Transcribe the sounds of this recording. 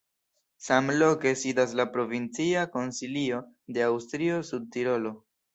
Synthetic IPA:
samlo̞ke̞sidas̬lapɾo̞vint͡siako̞nsilio̞ | de̞awstɾio̞sud̚tiɾo̞lo̞

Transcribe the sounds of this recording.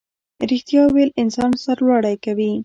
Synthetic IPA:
ɾixt̪jɑwelɪnsɑnsaɾlɑɽajkawi

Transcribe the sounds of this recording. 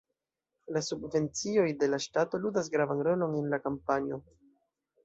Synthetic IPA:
lasubve̞nt͡sio̞jde̞laʃtato̞ludas̬ɡɾavanɾo̞lo̞nenlakampanio̞

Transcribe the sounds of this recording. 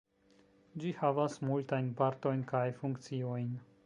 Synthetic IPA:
d͡ʒihavasmult̪ajnpaɾt̪o̞jnkajfuŋkt̪t͡siojn

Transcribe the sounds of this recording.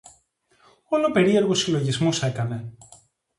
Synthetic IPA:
o̞lope̞ɾieɾɣosilo̞ʝizmose̞kɐne̞

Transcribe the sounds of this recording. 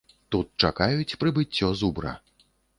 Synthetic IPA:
t̪ut̪̚t͡ʂakajut͡sʲpɾɨbɨt͡sʲːɔzubɾɐ̰

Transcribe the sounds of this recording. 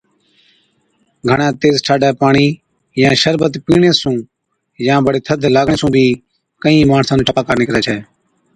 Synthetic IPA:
ɡʱəɳãːt̪eːzt͡ʃʰaːɖɛːpaːɳiː | jãːʃəɾbət̪piːɳeːsũː | jãːbəɽeːt̪ʰəd̪ʱlaːɡɳeːsũːbʱiː | kəĩːmaːɳsãːnũːʈəpaːkaːɾneːkəɾɛːt͡ʃʰɛː

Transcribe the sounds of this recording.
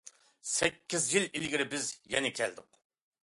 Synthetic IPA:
sɛkʲːizjililɡʲiɾɪbɪzjɛnɪkʲʰɛ̰ld̪ɨq

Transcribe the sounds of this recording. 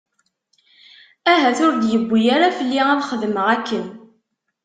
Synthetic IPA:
æɦæθʊɾd̪jəbʷːijaɾafəlːiæðχəðməʁækːən

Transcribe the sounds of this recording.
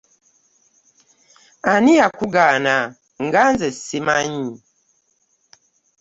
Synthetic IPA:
anijakuɡana | ŋ̩ɡanzɛsimaɲi

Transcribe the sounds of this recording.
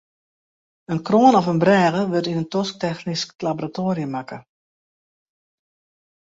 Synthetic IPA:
ənkroːənɔfənbrɛːɣəʋøtinəntɔsk̚tɛxnisklaboɾatoːɾiəmakə

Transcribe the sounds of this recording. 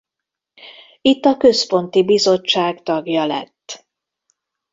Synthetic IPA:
it̪ːɒkø̞spo̞nt̪ibizo̞t͡ʃːaːɡt̪ɒɡjɒlɛ̰t̪ː

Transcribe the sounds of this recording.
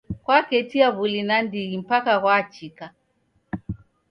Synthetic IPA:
kwakɛtiaβulinandiɣim̩pakaɣwat͡ʃika

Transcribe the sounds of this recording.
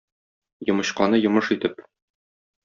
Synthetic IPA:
jŏmɤ̆ɕqɑnɤjŏmɤʃit̪ɘp

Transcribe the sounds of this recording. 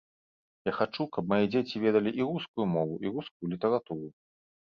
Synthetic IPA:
jaxat͡ʂukɐpmajid͡zʲet͡sʲivʲɛd̪ɐlʲiʔiɾuskujumɔvuʔiɾuskujulʲit̪ɐɾat̪uɾu

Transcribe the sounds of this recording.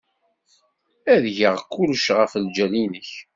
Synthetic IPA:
æðʝəʁkːulʃʁəfəld͡ʒælinəç

